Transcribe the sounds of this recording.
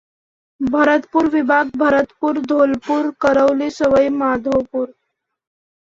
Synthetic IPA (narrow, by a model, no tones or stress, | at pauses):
bʱəɾət̪puɾʋibʱaɡ̚bʱəɾət̪puːɾd̪ʱolpuɾkəɾəʋlesəʋəjmad̪ʱopuːɾ